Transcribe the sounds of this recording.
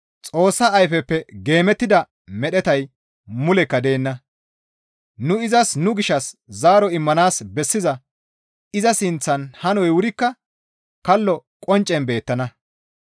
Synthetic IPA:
t͡sʼo̞ːsːɐɐjfɛpːɛɡe̞ːmɛt̪ːɪd̪ɐ | mɛɗɛt̪ɐj | mʊlɛkːɐd̪e̞ːnːɐ | nʊɪzɐsnʊɡɪʃːɐszaːɾɔɪmːɐnaːsbɛsːɪzɐ | ɪzɐsɪnt͡sːɐnhɐnɔjwʊɾɪkːɐ | kɐlːɔkʼɔnt͡ʃʼːɛnbe̞ːt̪ːɐnɐ

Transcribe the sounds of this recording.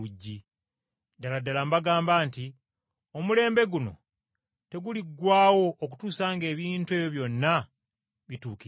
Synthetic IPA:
uɟːi | daladalambaɡaːmbaːnti | o̞mule̞ːmbe̞ɡuno̞̰ | te̞ɡuliɡwaːwo̞ʔːk̬u̥tuːsaːŋɡe̞ːβiːntue̞ːβjo̞βjo̞nːa | βituːki

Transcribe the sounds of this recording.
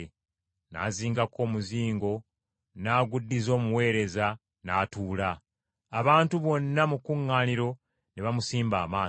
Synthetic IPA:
na̰ːziːŋɡakʰo̞ːmuziːŋɡo̞ | naːɡudːizo̞ːmuwe̞ːɾe̞za | naːtuːlaː | βaːntuβo̞nːamukuŋːaːniɾo̞ | ne̞βamusiːmbaːmaː

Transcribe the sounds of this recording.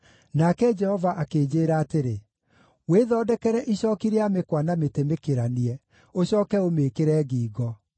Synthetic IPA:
nakɛd͡ʒɛhɔvaʔakeːd͡ʑeɾaːteɾe | weðɔːdɛkɛɾɛʔiɕɔːkiɾeamekwanametemekeɾaniɛ | oɕɔːkɛomekeɾɛːɡiːɡɔ

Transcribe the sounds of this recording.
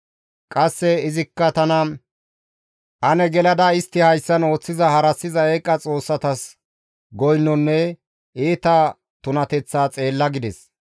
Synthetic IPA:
kʼɐsːɛɪzɪkːɐt̪ɐnɐ | ʔɐnɛɡɛlɐd̪ɐɪst̪ːɪhɐjsːɐno̞ːt͡sːɪzɐhɐɾɐsːɪzɐeːkʼːɐt͡sʼo̞ːsːɐt̪ɐs | ɡɔjnːɔnːɛ | ʔeːt̪ɐ | t̪ʊnɐt̪ɛt͡sːaːt͡sʼe̞ːlːɐɡɪd̪ɛs

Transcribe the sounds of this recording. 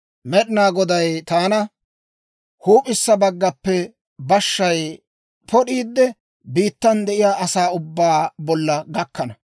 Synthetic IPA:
mɛɗɪnaːɡɔd̪ɐjt̪aːnɐ | huːpʼɪsːɐbɐɡːɐpːɛ | bɐʃːɐj | pʰɔɗiːd̪ːɛ | biːt̪ːɐnd̪ɛʔɪjaːʔɐsaːʊbːaːbɔlːɐɡɐkːɐnɐ

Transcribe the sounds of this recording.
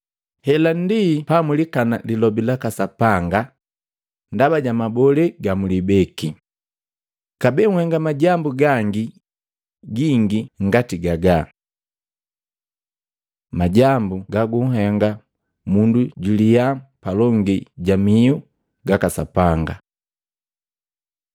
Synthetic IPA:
hɛlandipamulikana̰lilɔbilakasapaŋɡa | ndabaɟamabɔlɛɡamulibɛki | kabɛŋ̩hɛŋɡamaɟambuɡaŋɡi | ɡiŋɡiŋɡatiɡaɡa | maɟambuɡaɡuŋɦɛŋɡa | munduɟulijapalɔŋɡiɟamiu | ɡakasapaŋɡa̰

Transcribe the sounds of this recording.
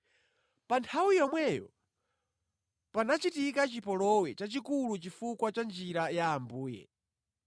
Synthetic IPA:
pantʰawijɔmwɛjɔ̰ | panat͡ʃitikat͡ʃipɔlɔwɛt͡ʃat͡ʃikulut͡ʃifukwat͡ʃand͡ʒiɾajaːmbuːjɛ̰

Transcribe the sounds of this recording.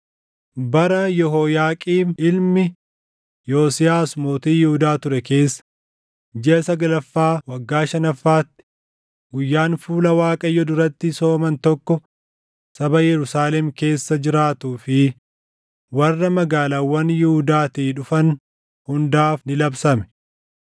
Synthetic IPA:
bɐɾɐjɔɦɔjaːkʼiːɪlmɪ | joːsɪjaːsmoːt̪iːjɪhʊd̪aːt̪ʊɾɛke̞ːsːɐ̥ | d͡ʒɛʔɐsɐɡɐlɐfːaːwɐɡːaːʃɐnɐfːaːt̪ːɪ̥ | ɡʊjːaːnfuːlɐwaːkʼɐjːɔd̪ʊɾɐt̪ːɪso̞ːmɐnt̪ɔkːɔ | sɐbɐjɛɾʊsaːlɛmke̞ːsːɐd͡ʒɪɾaːt̪uːfɪ | wɐrːɐmɐɡaːlaːwːɐnjɪhʊd̪aːt̪iːᶑʊfɐn | hʊnd̪aːfnɪlɐbsɐmɛ̥

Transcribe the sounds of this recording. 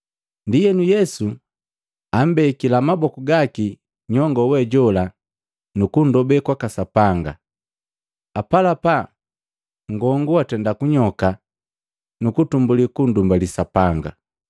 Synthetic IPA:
ndijɛnujɛsu | am̩bɛkilamabɔkuɡaki | ɲɔŋɡɔwɛɟɔla | nukundɔbɛkwakasapaŋɡa | apalapa | ŋɡɔŋɡuatɛndakuɲɔka | nukutumbulikundumbalisapaŋɡa̰

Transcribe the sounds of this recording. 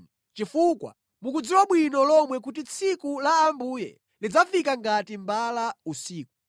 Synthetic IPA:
t͡ʃifukwa̰ | mukud͡ziwaɓwinɔlɔmwɛkut̬it͡sʰikulaːmbujɛ̰ | lid͡zafikaŋɡatimbalausiːku

